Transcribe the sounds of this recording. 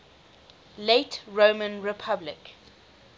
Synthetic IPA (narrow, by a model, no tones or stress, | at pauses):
letɹomə̃nɹɪpʰablɪk